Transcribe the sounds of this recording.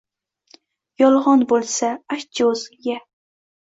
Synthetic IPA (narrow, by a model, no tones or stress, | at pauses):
jɒlˠʁɒnbolˠsaaʃd͡ʒozja